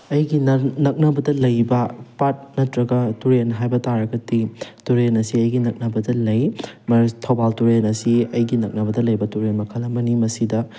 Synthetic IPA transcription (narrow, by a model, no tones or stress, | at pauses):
ɐjɡinnɐk̚nɐbɐdɐlɐjbɐpat̚nɐtɾɐɡɐtuɾenɦajbɐtaɾɐɡɐtituɾenɐsiɐjɡinɐk̚nɐbɐdɐlɐjmɐtʰɐwbaltuɾenɐsiɐjɡinɐk̚nɐbɐdɐlɐjbɐtuɾenmɐkʰɐlɐmbɐnimɐsidɐ